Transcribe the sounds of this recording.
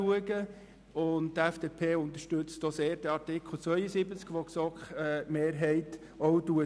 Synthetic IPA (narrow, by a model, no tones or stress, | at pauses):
uəɡə | ʊnttæfd̥eːpʰeːʊnt̪əʃtɵt͡stoseːɾd̥ɛɑɾtɪkχl̩ˠt͡sʋœʏəsibət͡skʋoksɔkχɛmeːɾɦɛɪt | ɔwduə